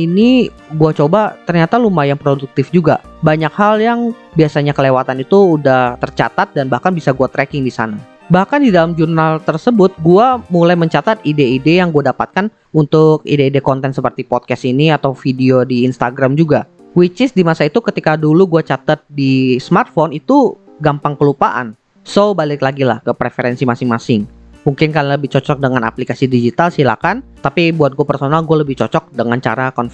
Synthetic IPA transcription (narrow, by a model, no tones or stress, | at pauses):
ini | ɡuat͡ʃobat̪ərɲat̪alumajaŋpɾoduk̚t̪ɪfd͡ʒuɡa̰ | baɲakhaljaŋ | biasaɲakəlewat̪anit̪uːdaht̪ərt͡ʃa̰t̪at̪̚danbahkanbisaɡuat̪ɾɛkɪŋdisa̰na | bahkandidalamd͡ʒurnalt̪ərsəbʊt̪̚ɡuamulajməɲt͡ʃat̪at̪ideidejaŋɡuadapa̰t̪̚kan | unt̪ʊk̚ḭdeidekɔnt̪ɛnsəpərt̪ipɔt̪̚kɛsiniat̪awfidiodiːnst̪aɡɾamd͡ʒuɡa | wit͡ʃɪsdimasait̪ukət̪ikaduluɡuat͡ʃat̪at̪̚dismart̪̚fonit̪u | ɡampaŋkəlupaʔa̰n | sobalɪklaɡila̰hkəpɾefeɾɛnsimasɪŋmasɪŋ | muŋkɪnkaliləbɪht͡ʃɔt͡ʃɔk̚dəŋana̰plikasidid͡ʒit̪alsila̰kant̪apibuat̪̚ɡuapərsonalɡualəbɪht͡ʃɔt͡ʃɔk̚dəŋant͡ʃa̰ɾakɔnf